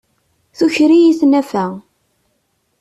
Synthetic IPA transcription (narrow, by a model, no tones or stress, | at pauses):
θuçɾijiθnæfæ